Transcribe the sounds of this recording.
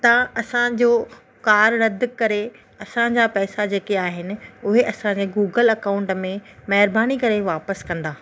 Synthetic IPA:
t̪ɐɐsãd͡ʑoː | kaːɾɾɐd̪̆ʱkɐɾe | ɐsãd͡ʑapɛːsad͡ʑeːkeaːɦɪnɪ̆ʊɦeʔɐsãɲd͡ʑeːɡuːɡəlɐkaːʊ̃ɳʈmẽmɐɦɪɾbaːñikɐɾeʋaːpəskɐ̃nd̪aː

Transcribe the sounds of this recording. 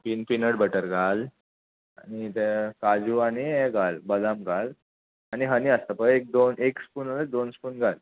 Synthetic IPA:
pinpinəɽbəʈəɾɡʱal | a̰ñit̪ekad͡ʑuaniɛɡʱalbəlamɡʱal | aniɦəniəst̪əpəek̚d̪onekspuːnaləd̪onspuːnɡʱal

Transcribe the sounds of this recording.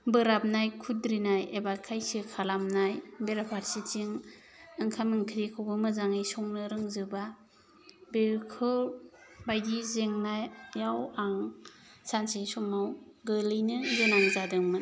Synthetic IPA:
bɯɾap̚najkʰudɾinajebakʰajsɯkʰalamnajbeɾapʰaɾsit͡ʃiŋ | ɯŋkʰamɯŋkʰɾikʰawbɯmɯzaŋɯjsɔŋnɯɾɯŋzɯba | beɾkʰɯɾbajdizeŋnajjawaŋ | sansisɔmawɡɯlɯjnɯzɯnaŋzadɯŋmɯn

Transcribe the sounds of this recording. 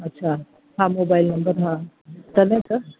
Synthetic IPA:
ɐtːʃʰa | ɦãmoːbaːɪlnɐmbəɾɦã | t̪ɐnẽkɐ

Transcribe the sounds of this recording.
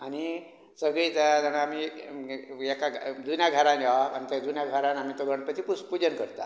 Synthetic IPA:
ani | səɡɭiːt̪ad͡zənaami | ɛkaɡd̪unjaɡʱəɾãnjaa̰nit̪ad̪unjaɡʱəɾãnamiːt̪oɡʱəɳpət̪ʰiːpuspud͡ʑənkəɾt̪a̰

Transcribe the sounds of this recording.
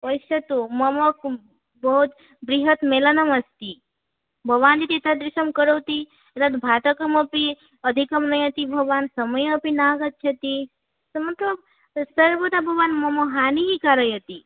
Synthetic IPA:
əjsɐt̪omɐmɐk | bɐɦut̪ | bɾiɦət̪meːlanɐmɐst̪i | bʱɐʋaːnd͡ʒit̪it̪ʰad̪ɾisɐmkəɾəwt̪i | et̪at̪bʱaːʈ̪ɐkɐmɐpi | əd̪ʱikɐmnɐjɐt̪ibʱɐɡʋaːnsɐməjɐpinaːɡɐt̪̚t͡ʃʰɐt̪i | sɐmɐt̪ləb̚ | səɾʋət̪abʱɐʋaːnmɐmoɦaːniɦikaːɾəjɐt̪i

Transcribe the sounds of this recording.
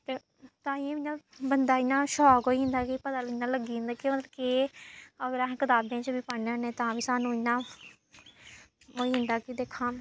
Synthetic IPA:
t̪eː | t̪ãːɪẽːmɪnãːbənd̪aːɪnːãːʃɔːkɦoːiːɦɪ̃nd̪aːkipət̪aːlɪnːãːləɡĩːnd̪aːkeməd̪lke | əɡəɾaːɦːkɪt̪aːbjãːt͡ʃəbiːpaneənẽːt̪ãːʋiːsaːnũːɪnːãː | oːiːɦɪ̃nd̪aːkid̪eːkʰːãː

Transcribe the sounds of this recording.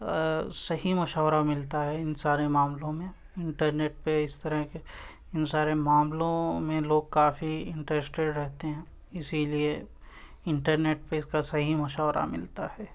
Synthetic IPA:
sɐɦimɐʃɔːɾamɪlt̪aɦɛɪnsaːɾemaːmlõmẽ | ɪ̃ɳʈəɾneːʈ̚peɪst̪ɐɾəɦke | ɪnsaːɾemãːmlõmẽloːɡ̚kaːfiɪ̃ɳʈɾesʈeɖɾɛɦt̪eɦɛ̃ː | ɪsilie | ɪ̃ɳʈəɾneːʈ̚peɪskasɐɦimɐʃaːɾʔa̰mɪlt̪a̰ɦɛː

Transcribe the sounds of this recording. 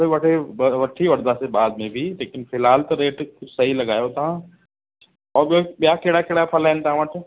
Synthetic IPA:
eʋɐʈʰeʋɐʈʰːiʋɐɾd̪ʱasebaːd̪mẽbʱileːkɪnfʰɪlɦaːlt̪oɾeːʈsɐɦilɐɡaːjot̪ɐɦã | ɔːɾbbjaːkeːɽakeːɽapʰɐlɛ̃ːnt̪aãʋɐʈʰe

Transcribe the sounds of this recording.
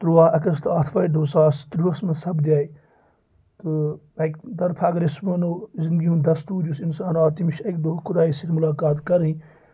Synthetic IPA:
t̪ɾuʋaːɐkɐst̪ʰaːt̪ʰfaːiɖ̪oːsaːst̪ɾuɐsmɐsɐbd̪ʲjaːi | t̪ɨɐkd̪ɐɾpʰaɐɡɐɾɪsmɐnoːzɪnd̪ɡiund̪ɐst̪uːd͡ʒusinsaːnaːt̪imiʃɐkd̪okʰʊd̪aːisit̪ʰmʊlaːkaːt̪kɐɾĩ

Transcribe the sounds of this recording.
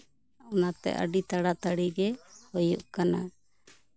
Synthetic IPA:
anat̪ɛ̰ʔə̰ɖit̪aɽat̪aɽiɡɛhɔjuʔkana

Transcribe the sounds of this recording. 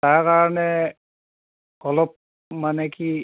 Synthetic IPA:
taɹkaɹɔnɛ | ɔlɔp̚ | manɛki

